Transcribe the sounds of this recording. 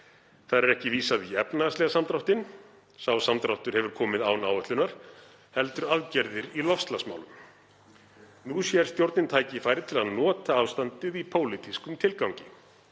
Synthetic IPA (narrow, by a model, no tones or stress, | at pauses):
θaðɾɛɾɛhcɪviːsaðiɛpnaslɛɣasamt̪ɾawht̪ɪn | sawsamt̪ɾawht̪ʏɾ̥hɛvʏɾ̥kʰɔːmɪðawnaːwœht̪ʏnaɾ̥ | hɛl̪t̪ʏɾaðcɛɾðɪɾilɔfst̪lasma̰ːwlʏm | nusjɛɾ̥st̪jowɾt̪nɪnt̪ʰaːjcɪfaːjɾɪð̥t̪ʰɪlaðnɔːt̪aaːwst̪ant̪ɪðipʰoːwlɪt̪ʰiskʏmt̪ʰɪlkawɲcɪ